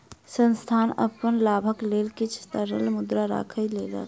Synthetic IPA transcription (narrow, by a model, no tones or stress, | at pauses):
sənst̪ʰaːnə̰pənlaːbʱəkleːlkit͡ʃʰt̪əɾə̰lmʊd̪ɾaɾa̰ːkʰəjleːlə̰l